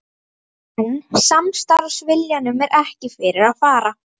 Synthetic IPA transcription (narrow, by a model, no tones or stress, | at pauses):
ɛnsamst̪aɾsvɪljanʏmɛɾʔɛhcɪfɪɾɪɾaðfaːɾa